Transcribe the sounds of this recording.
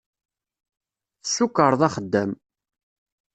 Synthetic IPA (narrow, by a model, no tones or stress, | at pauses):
θəsukːəɾˤðˤɑχəd̪ːæm